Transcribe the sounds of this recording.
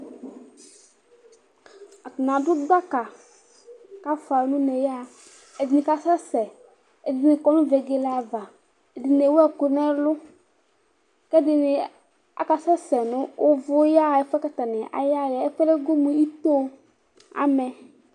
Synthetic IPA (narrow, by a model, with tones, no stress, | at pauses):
a˨knã˨dʊ˦da˦ka˨ | ka˦fa˨˦nʊ̃˦nɛ˨ja˦˨ | ɛ˨dɪ˨nɪ̃˨ka˦sɛ˦sɛ˨ | ɛ˨dɪ˨nɪ˨kɔ˨nʊ̃˦ve˨ɡe˨la˨va˨ | ɛ˨dɪ˨ne˨wɛ˦˨kʊ˨nɛ˦lʊ˦ | kɛ˦dɪ˨nɪ˨ | a̰˦ka˨sɛ˦sɛ˨nʊ̃˦wʊ˦vʊ˦ja˦˨ɛ˦fɛ˦ka˦t̪a˨nɪ˨ʔa̰˨ja˦˨lɛ˨ɛ˦fɛ˦lɛ˦ɡo˦mũ˨i˦t̪o˦ | a̰˦mɛ˨